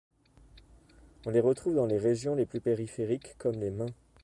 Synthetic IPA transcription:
ɔ̃leʁət̪χuvd̪ɑ̃leʁeʒjɔ̃leplypeʁifeʁikːɔmlemɛ̃

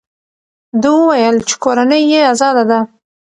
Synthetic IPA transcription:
d̪əwəwajəlt͡ʃe̥koɾanəjːeazɑd̪ad̪a

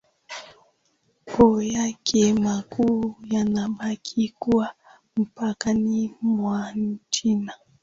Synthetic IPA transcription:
kɔjakʰɛmakujanaɓakʰikua | m̩pakanimwan̩t͡ʃina

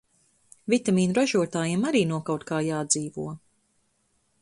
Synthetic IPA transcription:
vʲit̪amiːnuɾaʒuɔt̪aːjimaɾiːnuɔkawt̪kaːjaːd̪ziːvuɔ

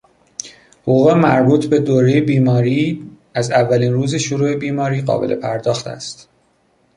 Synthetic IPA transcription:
hoɣuːɣemæɾbuːt̪ʰbe̞d̪oːɾejebiːmɒːɾiː | æzævːæliːnruːze̞ʃoɾuːe̞biːmɒːɾiːɢɒ̰ːbe̞̰lʔe̞̰pʰæɾd̪ɒːxt̪ʰæ̰st̪

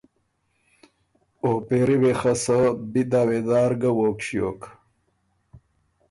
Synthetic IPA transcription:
opeɾiwexəsəbid̪aːwed̪aːɾɡəwoːkɕjoːk

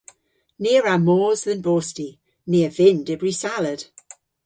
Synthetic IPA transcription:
neːɹamoːzðənboːsti | neːəvɪndɪbɹisalˠəd̥

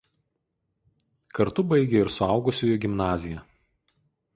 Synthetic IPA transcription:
kɐɾt̪ʊbɐɪɡʲeɪɾsʊɑˑʊɡʊsʲʊːjʊɡʲɪmnɑːzʲɪjɛ

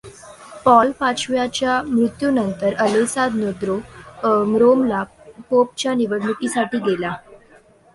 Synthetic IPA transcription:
pɔlpat͡ɕʰʋjat͡ɕjamɾut̪junənt̪əɾələsad̪nod̪ɾo | mɾomla | pop̚t͡ɕjaniʋəɽɳukisaʈiːɡela

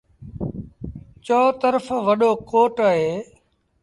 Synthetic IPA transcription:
t͡ʃoːt̪əɾəfʋəɗoːkoːʈaːɦeː

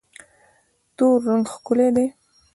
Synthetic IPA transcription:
t̪oɾːaŋɡxkʊled̪e

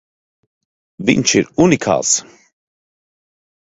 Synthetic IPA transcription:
vḭnt͡ʃʰiɾunikʰa̰s

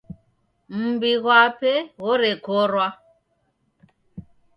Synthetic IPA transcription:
m̩biɣwapɛɣɔɾɛkɔɾwa

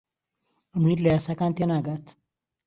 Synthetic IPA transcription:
əmiɾlɐjasakant̪jɐnaɡat̪

